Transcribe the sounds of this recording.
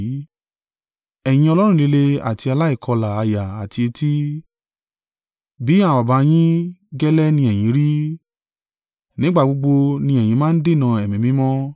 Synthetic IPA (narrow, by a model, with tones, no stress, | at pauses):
ɛ˨j̃ĩ˧ɔ˧lɔ˦ɾ̃ũ˦le˧˦le˦˧a̰˨ti˧a˧la˦i˦˨kʰɔ˧la˨a˧ja˨a˨ti˧e˧tʰi˦ | bi˨˦ã˦˧˨ba˨ba˨˧˦j̃ĩ˦ɡɛ˦lɛ˦nĩ˧ɛ˨j̃ĩ˨˦ɾi˦ | nĩ˦ɡ͡ba˦˨ɡ͡bo˧ɡ͡bo˧nĩ˧ɛ˨j̃ĩ˧mãː˦n̩˦de˦˨nã˧ɛ˨mĩ˨mĩ˦mɔ̃˦